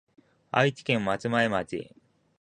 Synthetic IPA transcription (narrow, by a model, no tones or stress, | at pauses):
a̰it͡ɕi̥kẽ̞mːat͡sɨmaemat͡ɕḭ